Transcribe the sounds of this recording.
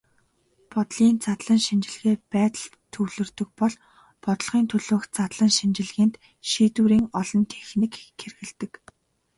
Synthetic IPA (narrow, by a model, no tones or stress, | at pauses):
pɔt̪ɮiːnt͡sat̪ɮə̆ŋʃint͡ɕɪ̆ɮɣeːpæːt̪ə̆ɮ | t̪ʰɵwɮɵ̆rt̪ɵ̆k̚pɔɮ | pɔt̪ɞ̆ɮʁ̥iːnt̪ʰɵɮoːxt͡sat̪ɮə̆ŋʃint͡ɕɪ̆ɮɣiːnt̪ | ʃiːt̪uːɾiːŋɔɮɞ̆nt̪ʰexnɘ̆kxerɣɘ̆ɮt̪ɘ̆k